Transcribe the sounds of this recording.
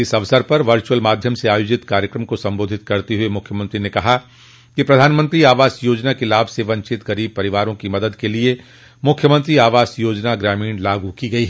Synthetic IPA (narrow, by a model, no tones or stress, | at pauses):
ɪsɐʋsəɾpɐɾʋɐɾt͡ʃuəlmaːd̪ʱjəmseaːjoːd͡ʒɪt̪kaːɾjəkɾəmkosɐ̃mboːd̪ʱɪt̪kɐɾt̪eɦuemʊkʰjəmə̃nt̪ɾinekɐɦa | kipɾɐd̪ʱaːnmə̃nt̪ɾiaːʋaːsjoːd͡ʒnakelaːbseʋɐ̃ɲt͡ʃɪt̪ɡɐɾiːb̚pɐɾɪʋaːɾõkimɐd̪əd̪kelie | mʊkʰjəmə̃nt̪ɾiaːʋaːsjoːd͡ʒnaɡɾɛːmĩːɳlaːɡukiɡɐiɦɛ